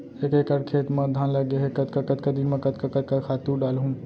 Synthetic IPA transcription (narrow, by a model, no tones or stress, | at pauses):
eːkeːkəɽkʰeːt̪mɐ̃d̪ʱãːnlɐɡeɦekɐt̪kɐkɐt̪̚kɐd̪ɪnmẽkɐt̪kɐkɐt̪̚kɐkʰaːt̪ũɖaːlɦũː